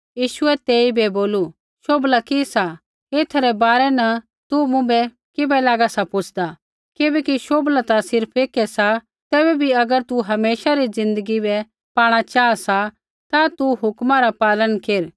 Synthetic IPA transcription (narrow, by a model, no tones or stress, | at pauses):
jiːʃʊɛt̪eːibɛboːlu | ʃoːblakɪsa | eːt̪ʰɾɛbaːɾɛnɐ | t̪umʊ̃bɛ | kɪbɛlaːɡasapʊt͡ʃʰd̪a | kɪbɛːkiʃoːblat̪asɪɾpʰeːkɛsa | t̪ɛːbɛbʱiɐɡəɾt̪uɦɐmeːʃaɾid͡zɪ̃nd̪əɡibɛ | paːɽ̃at͡ʃaːasa | t̪at̪uɦʊkmãɾapaːlənkeːɾ